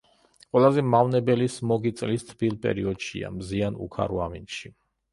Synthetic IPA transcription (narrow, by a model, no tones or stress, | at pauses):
qʼwɛlˠazɛmavnɛbɛlismɔɡit̪sʼlist̪ʰbilˠpʼɛ̰ɾiɔd̪ʃḭa̰mzianṵkʰa̰ɾuaminʃi